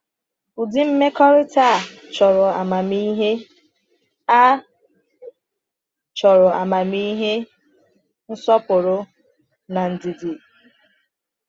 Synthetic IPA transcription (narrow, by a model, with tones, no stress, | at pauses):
u˨dɪ˦m̩˦me˦kɔ˦ɾɪ˦ta˦˨ | t͡ʃɔ˨ɾʊ˨a˨ma˨mi˦ɦe˦ | a˦ | t͡ʃɔ˨ɾʊ˨a˨ma˨mi˦ɦe˦ | n̩˦sɔ˦pʊ˨ɾʊ˨˦ | na˨n̩˨di˨di˨